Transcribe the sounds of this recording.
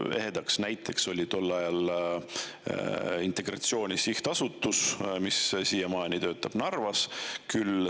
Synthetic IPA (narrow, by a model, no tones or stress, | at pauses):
e̞̰ɦe̞d̪̥ɑksnæjt̪ʰˑːe̞kso̞lʲit̪o̞lːɑjɑl | int̪e̞ɡ̥rɑt̪sio̞ːnʲisiht̪ɑsut̪ːˑusmissiːjemɑːjnit̪ø̞ːt̪ːˑɑb̥nɑrvɑskyl